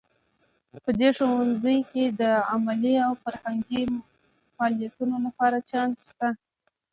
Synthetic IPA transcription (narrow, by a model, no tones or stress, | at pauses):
pəd̪eʂowanzəjked̪əamaliawfaɾhaŋɡi | mɑlijat̪unolapɑɾat͡ʃɑnst̪a